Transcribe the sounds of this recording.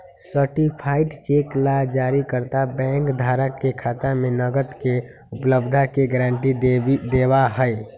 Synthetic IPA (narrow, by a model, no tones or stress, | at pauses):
səʈipʰaɪʈt͡ʃeːklad͡ʒaːɾikəɾt̪abɛ̃ŋkd̪ʱaːɾəkːekʰaːt̪amẽnəɡət̪ke | ʊpləbd̪ʱakeɡəɾãːɳʈid̪eːwaɦəe